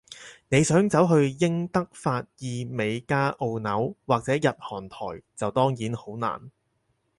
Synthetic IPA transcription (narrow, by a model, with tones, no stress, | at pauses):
ne˨˧jsœː˨˥ŋt͡sɐ˨˥wɦɵ˧ɥjɪ˥ŋt̪ɐ˥k̚faː˧t̚jiː˧me˨˧jkaː˥ʔo˧wnɐ˨˥wwaː˨k̚t͡sɛː˨˥jɐ˨t̚hɔː˨˩nt̪ʰɔ̰ː˨˩jt͡sɐ˨wt̪ɔː˥ŋjiː˨˥nho˨˥wna̰ː˨˩n